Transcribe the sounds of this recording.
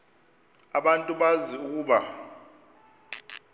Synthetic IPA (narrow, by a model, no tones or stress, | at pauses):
aɓantʼuɓaziuk̬ʼuːɓa